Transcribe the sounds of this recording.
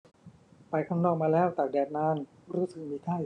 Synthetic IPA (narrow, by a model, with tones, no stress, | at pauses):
pa˧jkʰaː˥˩ŋnɔː˥˩k̚maː˧lɛː˦˥˩wt̪aː˨˩k̚dɛː˨˩t̪̚naː˧˥n | ɾuː˦˥˩sɯ˨˩k̚miː˧t̪ʰaː˥˩